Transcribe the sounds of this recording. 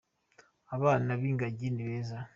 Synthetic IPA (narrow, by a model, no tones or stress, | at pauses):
aβaːnaβiːŋɡaɟiniβeːza